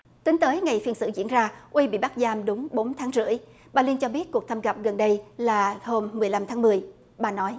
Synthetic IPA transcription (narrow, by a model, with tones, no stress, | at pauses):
t̪ï˨˦ŋ̟t̪əː˨˦jŋa˨˩jfi˧ənsɨ̰˧˥zḭ˧ənzaː˧ʔwi˧ɓḭ˧˨ɓa˦˥k̚zaː˧mɗʊ˨˦ŋ͡mɓo˨˦nt̪ʰaː˨˦ŋzɨ̰˧˥˨əj | ɓaː˨˩li˧nt͡ɕɔ˧ɓi˦˥t̚ku˨˩t̪ʰə˧mɣə˨˩p̚ɣə˨˩nɗə˧jlaː˨˩ho˧mːɨ˨˩əjla˧mt̪ʰaː˨˦ŋmɨ˨˩əj | ɓaː˨˩nɔ˨˦j